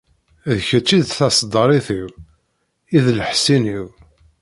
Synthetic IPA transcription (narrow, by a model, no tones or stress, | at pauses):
ðçət͡sːid̪θɑsˤd̪ˤəɾˤiθiw | iðləħsiniw